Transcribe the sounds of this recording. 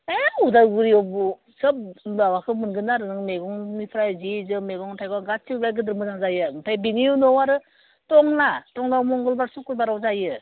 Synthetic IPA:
eudaɡɯɾiɔbu | sɯp̚awakʰɯmɯnɡɯnaɾɯnɯŋmeɡɔŋmipʰɾajzizɯmeɡɔŋtʰajɡɔɡat͡ʃʰilajɡɯdɯɾmɯnaŋzajɯmɯtʰajbiŋijunɔwaɾɯ | tɔŋnatɔŋdawmɔŋɡɯlbaɾsukɯbaɾawzajɯ

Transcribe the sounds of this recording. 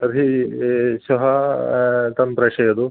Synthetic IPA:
ɐɾʱi | sɐɦɐ | t̪ɐmpɾɐʂɐjɐd̪u

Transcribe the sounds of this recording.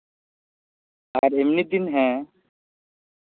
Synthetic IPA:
aɾemnid̪inɦɛ̃

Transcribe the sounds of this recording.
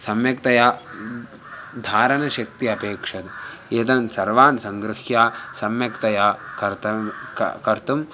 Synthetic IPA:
sɐmjɐkt̪ɐjaː | d̪ʱaːɾɐnɐʃɐk̚t̪iɐpeːkʂɐd̪eːt̪ɐnsɐɾʋaːnsɐŋɡɾɪhjaːsɐmjɐkt̪ɐjaːkɐɾt̪ɐkɐɾt̪um

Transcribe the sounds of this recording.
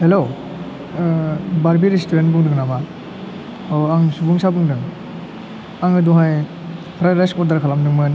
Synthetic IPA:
helo | baɾbiɾistuɾentbuŋdɯŋnama | aŋsubuŋsabuŋdɯŋ | aŋɯduɦaj | pʰɾajɾajskɔɾdaɾkʰalamdɯŋmɯn

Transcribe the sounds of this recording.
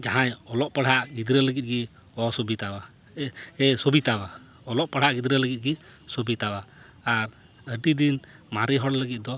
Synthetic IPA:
d͡ʒaɦãjɔlɔʔ̚paɽ̤aʔɡid̪ɾələɡit̪̚ɡi | ɔsobit̪aba | ɛsobit̪aba | ɔlɔʔ̚paɽ̤aʔɡid̪ɾələɡit̪̚ˀɡisobit̪awaː | ɾ | əɖid̪in | maɾiɦɔɽləɡit̪̚d̪ɔ

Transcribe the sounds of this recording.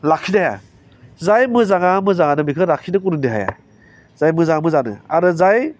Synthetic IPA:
lakʰinaja̰ | zajmɯzaŋamɯzaŋanɯmikʰɯɾakʰinɯk̬uɾɯniɦa̰ja̰ | z̥ajmɯzaŋamɯzanɯ̰a̰ɾɯzaj

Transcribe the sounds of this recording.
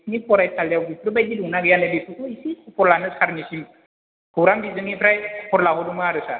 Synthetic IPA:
nipɔɾajt̪aljawbitɾɯbajd̪iduŋnaɡjanebit̪ukuisikʰupɔɾlanɯsaɾnisim | hʰowɾambizɯŋipɾajpʰɔɾlaɦɔdumaaɾɯsa̰

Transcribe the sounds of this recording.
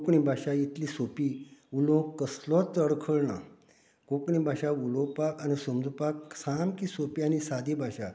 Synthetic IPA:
kɳĩbʱaɕajit̪lisopiulɔ̃kəslɔt̪əɽkʰəɭnã̰ | kokɳĩbʱaɕaulɔ̃pakanisumd͡z̪ʱupaksamkisopianisad̪ibʱaɕa̰

